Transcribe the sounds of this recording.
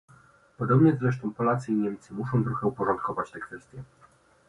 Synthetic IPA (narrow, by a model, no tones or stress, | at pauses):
pɔd̪ɔbɲɛzɾɛʂt̪ɔ̃w̃pɔlat̪sɘiɲɛmʲt̪sɘmuʂɔ̃w̃t̪ɾɔxɛupɔʐɔ̃nt̪̚kɔvat͡ɕt̪ɛkfɛst̪ʲjɛ